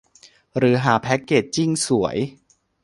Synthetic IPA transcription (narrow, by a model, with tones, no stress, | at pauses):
ɾɯː˨˩˦ɦaː˨˩pʰɛ˦˥kːeː˨˩t̚t͡ɕi˥˩ŋsu˩˦əj